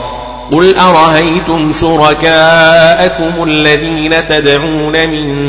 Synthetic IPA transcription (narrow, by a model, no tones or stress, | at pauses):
qʊlʔaɾˤɑʔajt̪ʊmʃʊɾˤɑkaːʔakʊmʊʔalːaðiːnat̪ad̪ʕuːnamɪn